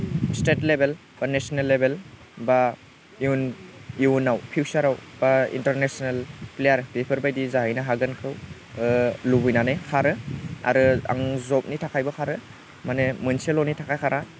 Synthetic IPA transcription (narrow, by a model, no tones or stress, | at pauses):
stetlebel | b̥anesonelːebel | ba | iuniunawpʰiwsaɾawb̥aḭntəɾnesonelplejaɾbepʰɯɾbajdizaɦijnaɦaɡɯnkʰɯw | lubujnanekʰaɾɯa̰ɾɯa̰ŋzɔp̚nitʰakʰajbɔkʰaɾɯ | manemɯnselonitʰakʰajkʰaɾʔa